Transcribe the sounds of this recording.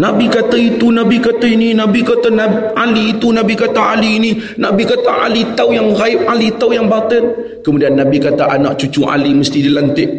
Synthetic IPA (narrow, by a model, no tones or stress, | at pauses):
nabikat̪ait̪unabikat̪aininabikat̪anaaliːt̪unabikat̪aaliːni | nabikat̪aʔa̰lit̪awjaŋɾaɪp̚alit̪awjaŋbat̪ən | kəmudianːabikat̪aʔanaʔt͡ʃut͡ʃuʔa̰liməst̪idilant̪ɪʔ